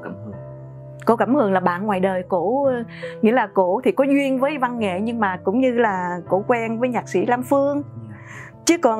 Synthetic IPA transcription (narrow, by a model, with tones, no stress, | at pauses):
ko˧kaː˧˩mhɨ˨˩əŋlaː˨˩ɓa̰ː˧˨nŋwaː˨˩jɗəː˨˩jko˧˩˧ | ŋḭ˧˥əlaː˨˩ko˧˩˨t̪ʰi˨˩kɔ˨˦zwi˧ənvəː˨˦jva˧nŋḛ˧˨ɲɨ˧ŋmaː˨˩kʊ̰˧˥ŋ͡mɲɨ˧laː˨˩ko̰˧˩kwɛ˧nvəː˨˦jɲaː˨˩k̚sḭ˧˩laː˧mfɨ˧əŋ | t͡ɕɨ˨˦kɔ˨˩n